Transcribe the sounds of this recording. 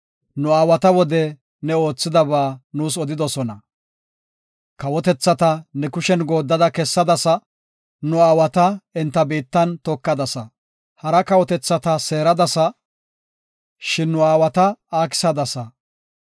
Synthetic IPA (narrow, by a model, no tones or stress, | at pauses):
nʊaːwɐt̪ɐwɔd̪ɛ | nɛo̞ːt͡sːɪd̪ɐβaːnuːsɔd̪ɪd̪ɔsɔnɐ | kɐwɔt̪ɛt͡sːɐt̪ɐnɛkʊʃɛnɡo̞ːd̪ːɐd̪ɐkɛsːɐd̪ɐsɐ | nʊaːwɐt̪ɐɛnt̪ːɐbiːt̪ːɐnt̪ɔkːɐd̪ɐsɐ | hɐɾɐkɐwɔt̪ɛt͡sːɐt̪ɐseːɾɐd̪ɐsɐ | ʃɪnːʊaːwɐt̪ɐaːkɪ̥sɐd̪ɐsɐ